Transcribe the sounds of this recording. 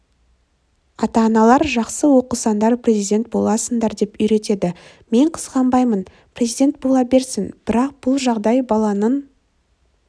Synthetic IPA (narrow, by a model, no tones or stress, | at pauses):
ɑt̪ɑːnɑlˠɑɾʒɑqsəwo̞qəsɑnd̪ɑɾprʲe̞zijd̪ʲe̞nt̪̚bo̞lˠɑsənd̪ɑɾd̪e̞pʏjɾe̞t̪e̞d̪ɪ | me̞ɴqʰə̥z̥ʁɑmbɑjmən | prʲezijd̪ʲe̞nt̪̚bo̞lˠɑbe̞ɾsɪnb̥ɪɾɑq̚b̥ʊlˠʒɑʁd̪ɑjbɑlˠɑnən